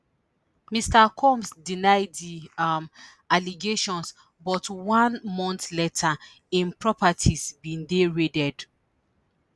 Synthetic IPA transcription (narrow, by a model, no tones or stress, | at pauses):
mistakʰɔ̃msdinaɪddiam | aliɡeʃɔ̃ns | bɔtwãnmɔ̃ntletʰa | ĩnpɹɔpatʰisbĩndeɹidɛd